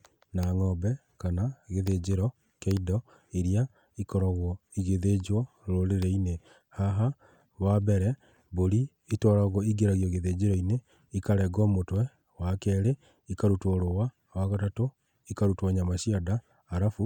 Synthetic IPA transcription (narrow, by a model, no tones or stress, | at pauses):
naŋɔbɛ | kanaɣeðed͡ʑeɾɔ | kɛidɔ | eɾia | ikɔɾaɣwɔiɣeðed͡ʒwɔɾoɾeɾɛine | haɦa | wabɛɾɛ | boɾi | itwɔɾaɣɔiɡeɾaɣjɔɣeðed͡ʑeɾɔine | ikaɾɛɡɔmotwɛ | wakɛːɾe | ikaɾutwɔɾowa | waɣatato | ikaɾutwɔɲamaʃiadaː | ɾafu